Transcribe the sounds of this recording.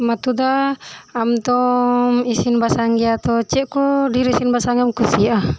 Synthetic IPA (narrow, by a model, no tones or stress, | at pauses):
mat̪ud̪aamt̪ɔmisinbasaŋɡiat̪ɔt͡ʃɛʔkɔdiɾisinbasaŋɡamkusia